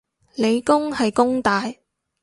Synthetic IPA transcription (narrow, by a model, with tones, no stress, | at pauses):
le˨˧jkʊ˥ŋhɐ˨jkʊ˥ŋt̪aː˨j